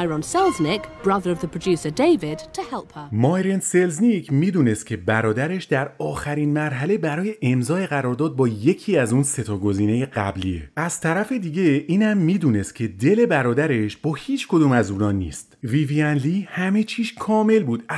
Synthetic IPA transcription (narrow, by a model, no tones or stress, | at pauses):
ɪɹə̃nsɛlˠznɪkb̥ɹʌðəɹəvðəpʰɹ̥əd͡ʒʉˑsədeɪvɪdtʰəhɛlˠphəmɒːjɾense̞lznicʰmiːd̪uːne̞st̪̚cʰe̞bæɾɒːd̪æɾe̞ʃd̪æɾɒːxæɾiːnmæɾɦæle̞bæɾɒːje̞ʔemzɒːeɣæɾɒːɾd̪ɒːd̪̚bɒːje̞cʰiːæzuːnse̞t̪ʰɒːɡo̞ziːne̞je̞ɡæbliḛæz̥t̪ʰæɾæfe̞d̪iːɟe̞iːnhæmːiːd̪uːne̞st̪̚cʰe̞d̪e̞le̞bæɾɒːd̪æɾe̞ʃb̥ɒːhiːt͡ʃʰkʰo̞d̪uːmæzuːɾɒːnːḭːst̪viviænlihæme̞t͡ʃʰiːʃkʰɒːme̞lbuːd̪